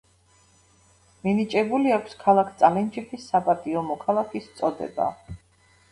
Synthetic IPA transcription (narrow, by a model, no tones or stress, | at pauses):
minit͡ʃʼɛbuliakʷʰskʰalˠakʰt̪sʼalɛnd͡ʒɛpʰisːapʼat̪ʼiɔmɔkʰalˠakʰist̪sʼɔd̪ɛ̰ba̰